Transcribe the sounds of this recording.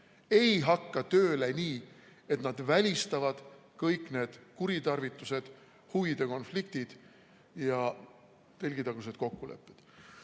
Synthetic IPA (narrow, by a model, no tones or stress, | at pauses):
e̞jɦɑkːɑt̪ø̞ːle̞nʲiː | e̞t̪nɑd̪̥vælʲist̪ɑvɑd̪̥kɤjkˑne̞ːd̪̥kuɾit̪ɑrvit̪ːˑuse̞d̪̥ | huvid̪̥e̞ko̞nflik̚t̪id̪̥ | jɑ | t̪e̞lʲɡ̥it̪ɑɡ̥used̪̥ko̞kːule̞̰pːˑed̪̥